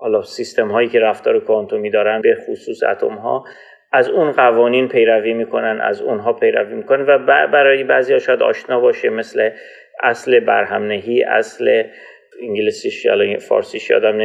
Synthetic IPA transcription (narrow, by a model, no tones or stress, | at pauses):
hɒːlɒsist̪e̞mɦɒːjiːce̞ɾæft̪ɒːɾekʰont̪ʰomiːd̪ɒːɾænbe̞xusuːsæ̰t̪ʰo̰mɦɒ̰ː | ʔæzunɢævɒːniːnpʰe̞jɾæviːmiːkʰo̞nænæ̰zṵnɦɒːpʰe̞jɾæviːmiːkonevæbbæɾɒːjebæːziːhɒːʃɒːjæd̪ɒ̰ːʃnɒːbɒːʃeme̞sle | ʔæsle̞bæ̰ɾɦæmneɦiːʔæ̰sle | iŋɡelisiʃæ̰lɒfɒ̰ːɾsiːʃɒ̰ːd̪æmn